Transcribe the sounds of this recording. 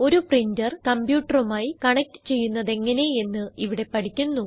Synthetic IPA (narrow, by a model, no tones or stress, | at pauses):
o̞ɾuprindɐrkɐmbjuːʈːɐrumaːjikɐɳɐk̚ʈɨ̥t͡ɕe̞jːunːɐðe̞ŋːɐne̞e̞nːɨiʋiɽe̞pɐʈʰikʲːunːu